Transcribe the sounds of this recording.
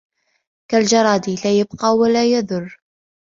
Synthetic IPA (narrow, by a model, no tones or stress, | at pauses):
kald͡ʒɑɾˤɑːd̪ilaːjɪbqɑːwalaːjaðʊrˤː